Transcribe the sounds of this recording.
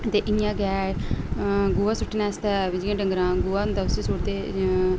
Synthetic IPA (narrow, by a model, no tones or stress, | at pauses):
t̪eːʔɪnjãːɡɛː | ɡuːaːsʊʈːnɛːst̪ɛːd͡ʒiãːɖəŋɡɾãːɡuaːd̪əsisoːɽt̪eː